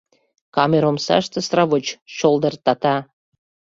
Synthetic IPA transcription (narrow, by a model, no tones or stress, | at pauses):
kɑmeɾomsɑ̰ʃt̪esrɑβot͡ɕʃolˠd̪ɤrt̪ɑt̪ɑ